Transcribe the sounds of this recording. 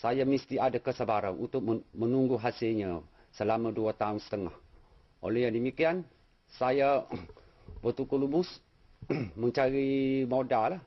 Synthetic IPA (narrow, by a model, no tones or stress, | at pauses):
sajamist̪iadakəsabaɾanʔṵnt̪ʊk̚mənuŋɡuɦasɪlɲa | səlamãduat̪aʊnsə̥t̪əŋah | ʔo̰lɛjaŋdəmikian | saja | bət̪ukulubʊs | mə̃ɲt͡ʃaɾimodalah